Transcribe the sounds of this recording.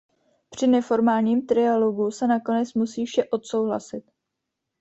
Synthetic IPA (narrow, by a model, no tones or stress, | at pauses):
pr̝̥ɪnɛfo̞ɾmaːlɲiːmt̪ɾɪjalo̞ɡusɛnako̞nɛt͡smusiːfʃɛʔo̞t̪so̞wɦla̰sɪt̪